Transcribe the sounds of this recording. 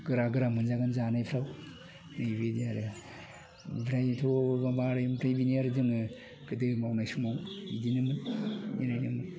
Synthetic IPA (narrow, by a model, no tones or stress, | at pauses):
ɡ̥ɯɾaɡɯɾamɯnzaɡanzanajpʰɾaw | najbediaɾɯ | bʰɾajtʰobabaɾajmbʰɾajbiniaɾzɯŋɯ | ɡ̥ɯdɯmawnajsumawidinɯmɯninajnɯmɨn